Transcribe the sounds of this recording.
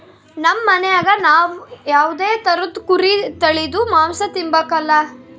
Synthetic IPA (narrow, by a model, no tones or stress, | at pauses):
nɐmːɐnejaːɡɐnaːʋujaːʋud̪eːt̪ɐɾud̪kuɾit̪ɐɭid̪umaːmsɐt̪imbɐkɐlːɐ